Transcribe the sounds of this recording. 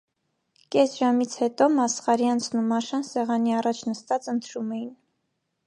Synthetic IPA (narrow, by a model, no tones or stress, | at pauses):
kɛsʒɑmit͡sʰhɛt̪ɔmɑsχɑɾiɑnt͡sʰnumːɑʃɑnsɛʁɑniɑrɑt͡ʃʰnəst̪ɑt͡sənt̪ʰɾumɛjin